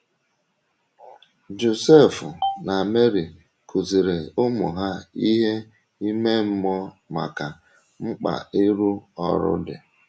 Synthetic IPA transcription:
d͡ʒo˨se˦˨fʊ˨na˨me˦ɾi˨ | kʰu˨zi˨ɾe˨ʊ˦mʊ˨ɦa˦i˦ɦe˦ | i˦me˦m̩˦mɔ˦ | ma̰˨ka˨ | ŋ͡m̩˦k͡pa̰˨ɪ˦ɾu˦ɔ̰˨ɾʊ̰˦dɪ̰˨

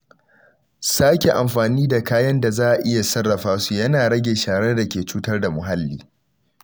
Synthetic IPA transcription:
saː˦kʲe˨ʔa˨mɸaː˨niː˦da˨kaː˦jɐ˦nda˨zaː˦ʔa˨ʔɪ˦ja˨sɐ˦rːɐ˨ɸaː˦su˨jɐ˦naː˨ɽɐ˦ɡʲe˨ʃaː˨ɽe˦rda˨kʲeː˨t͡ʃuː˦tɐ˦rda˨mʊ˨ɦa˦lːiː˦

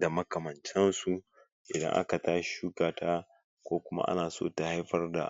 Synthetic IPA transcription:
da˨mɐ˦kɐ˨mɐ˨nt͡ʃɛ˦nsu˨ | ʔɪ˨dɐ̰˦ŋʔa̰˦ka˨taː˦ʃʃuː˦kaː˨tʰaː˦ | kʷoː˦kʷʊ˦ma̰˦ʔa̰˦naː˨soː˦ta˨ha˦jɸɐ˦rda̰˨

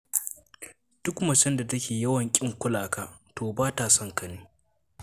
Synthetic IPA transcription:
d̥ʊ˦kmɐ˨t͡ʃɛ˦nda˨tɐ˦kʲeː˨jɐ˦wɐ˨ŋkʲʼɪ˦ŋkʷʊ˦laː˨kaː˦toː˨baː˦ta˨sɔ˦ŋkɐ˨neː˦

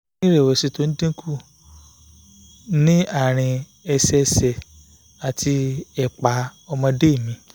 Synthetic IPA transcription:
ĩ˦ɾe˨we˨si˨˧to˦n̩˦dĩ˦kʰu˦˨ | nĩ˦a˦˨ɾ̃ĩ˧ | ɛ˧sɛ˧sɛ˨ | a˨tʰi˧ɛ˨k͡pa˨˦ɔ˧mɔ̃˧de˦˨mĩ˧˦

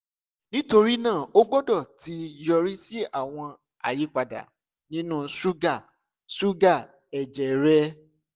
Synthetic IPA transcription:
nĩ˦to˧ɾi˦nãː˦˨o˦ɡ͡bɔ˦dɔ˦˨ti˧˦jɔ˧ɾi˦si˦a˦˨w̃ɔ̃˧ | a̰˦˨ji˨˦k͡pa˧da̰˨ | nĩ˦nũ˦su˦ɡa˦˨ | su˦ɡa˦˨ | ɛ˨d͡ʒɛ˨ɾɛ˦

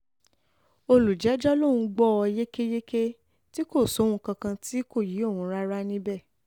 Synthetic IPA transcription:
o˧lu˨d͡ʒɛ˨˦d͡ʒɔ˦lõ˦˨ũ˧ɡ͡bɔ˦˨ɔ˧je˦ke˦je˦ke˦ | ti˦ko˦˨sõ˨˦˧ũ˧˦kã˧kã˧ti˦ko˦˨ji˨˦o˦˨wũ˧˦ɾa˦ɾa˦nĩ˦bɛ˦˨

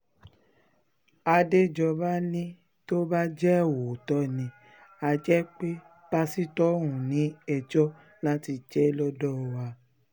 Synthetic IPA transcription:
a˧de˦˨d͡ʒɔ˧ba˦nĩ˦ | to˦ba˦d͡ʒɛ˦˨wo˨tɔ˦nĩ˧ | a˧d͡ʒɛ˦k͡pe˦ | pa˧si˦tɔ˦ɾ̃ũ˨nĩ˨˦ɛ˧d͡ʒɔ˦ | lã˦ti˧d͡ʒɛ˨˦lɔ˦dɔ˦˧wa˧

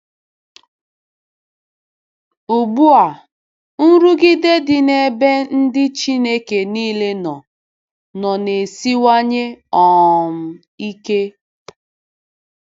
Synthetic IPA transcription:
u˨ɡ͡bu˦a˨ | n̩˦ɾu˦ɡɪ˦de˦dɪ˨ne˦be˦n̩˦dɪ˦t͡ʃi˦ne˦ke˨niː˦le˦nɔ˨ | nɔ˨ne˨si˦wa˦ɲe˦ɔ˨m̩˨ | i˦ke˦

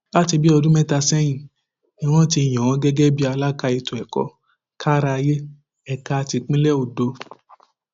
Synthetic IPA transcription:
la˦ti˧bi˦ɔ˧dũ˦mɛ˦ta˧sɛ˦j̃ĩ˨ | ɛ˧w̃ɔ̃˦t̬i˧˨j̃ɔ̃˨w̃ɔ̃˨˦ɡɛ˦ɡɛ˦bi˦a˧la˦ka˦˧i˧to˨ɛ˨kɔ̰˨ | kʰa˦ɾa˧je˦ | ɛ˨ka˧ti˧k͡pĩ˦lɛ˦o˨do˧

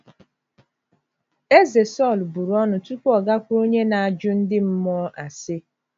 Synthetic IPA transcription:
e˦ze˨sɔ˦˨lbu˨ɾɔ˦nʊ˨tu˦kʷɔ˨ɡa˦kʷo˦ɲe˦na˨a˨d͡ʒʊ˦n̩˦dɪ˦m̩˦mɔ˦ʔa˨sɪ˦

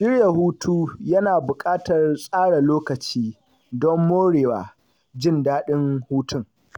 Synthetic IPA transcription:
ʃɪ˦rja˨huː˦tʰuː˦jɐ˦naː˨bʊ˨kʼaː˦tɐ˨rsʼaː˦ɽa˨loː˦kɐ˨t͡ʃiː˦ | dɔ˦mːoː˦ɽeː˨waː˨ | d͡ʒɪ˦˨ndaː˦ɗɪ˦ŋhuː˦tʊ˦˨ŋ

